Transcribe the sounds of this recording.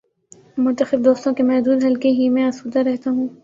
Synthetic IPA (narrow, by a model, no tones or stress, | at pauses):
mʊ̃nt̪əxɪb̚d̪oːst̪õkemɛɦd̪uːd̪ɦɐlkeɦimɛ̃ɐsuːd̪aɾɛɦt̪aɦũː